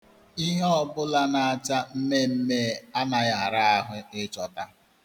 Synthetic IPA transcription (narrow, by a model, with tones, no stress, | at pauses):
i˦ɦe˦ɔ˦bʊ˦la˦na˨a˨t͡ʃa˦m̩˦me˦m̩˦me˦˨a˦na˨ɣa˨ɾa˦a˦ɦʊ˦ɪ˦t͡ʃɔ˨ta˦